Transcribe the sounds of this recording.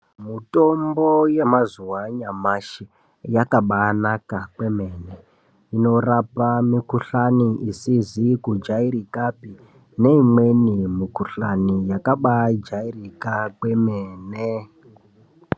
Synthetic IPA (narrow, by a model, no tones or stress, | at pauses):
mito̞mbojemazuwaɲamaʃe | jakaɓanakakwe̞me̞ːne | ino̞rapamikuɬaniʔisizikud͡ʒaiɾikapi | ne̞imwe̞nimikuɬanijakaɓad͡ʒairikakwe̞meːne